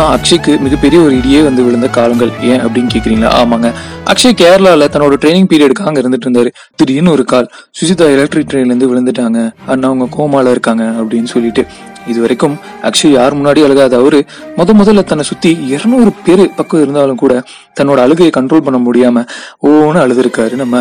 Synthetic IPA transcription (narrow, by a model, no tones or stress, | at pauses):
naɐkʂɐkːɯmɪɣɐpɛɾɪjɐɔɾɯɪɽɪjeːʋɐnd̪ɯʋɪɭɐnd̪ɐkaːlɐŋɡɐɭẽːɐpːɐɽɪnːɯkeːkːɪɾiːŋɡɐla̰ːʔa̰ːmaːŋɡɐʔɐ̰kʂɐkeːɾɐlaːlɐt̪ɐnːoːɽɐʈɾeːnɪ̃ŋɡ̚piːɾɪɐɽɯkaːŋɡɐɪɾɯnd̪ɯʈ̬ːɪɾɯnd̪aːɾɯ | t̪ɪɾɪjɪnːɔɾɯkaːl | sʊsɪt̪ːaːɪlɐk̚ʈɾiʈɾeːnɾɯnd̪ɯʋɪɭɐnd̪ɯʈːaːŋɡɐaːnːaːʊŋɡɐkoːɐmaːlɐɪɾɯkːaːŋɡɐːpːɐɽɪnːɯsɔlːɪʈːɯ | ɪðɯʋɐɾɐɪkːɯm | ɐ̰ːkʂɐljaːɾmʊnːaːɽiɐɭɯɣaɐðaːʋɐðɯ | mɔðɐmʊðɐlːɐt̪ɐnːɐsʊt̪ːiɛɾɐnɔɾɯpeɾɯpɐkːɯɪɾɯnd̪aːlɯkuːɽɐ | t̪ɐnːoːɽɐːɭɯɣɐjɐkɐɳʈɾoːlpɐɳːɐmʊɽɪjaːmɐoːnɯɐɭɯðɯɾɯkːaːɾɯnɐmːɐ